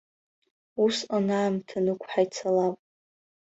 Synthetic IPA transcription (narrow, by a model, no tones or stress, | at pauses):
usanaːmtʰanɨkʷʰʼħajt͡sʰalapʼ